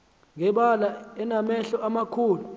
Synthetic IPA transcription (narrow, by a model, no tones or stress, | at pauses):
ŋʱɛɓalaɛnamɛɬɔamakʰuːlu